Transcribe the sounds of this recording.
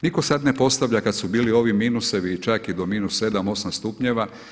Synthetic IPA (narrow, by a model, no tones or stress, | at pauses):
niko̞sad̪ne̞po̞st̪aʋʎakad̪subiːlio̞ʋimiːnuse̞ʋit͡ʃakid̪o̞miːnusːe̞d̪amo̞samst̪upɲeʋa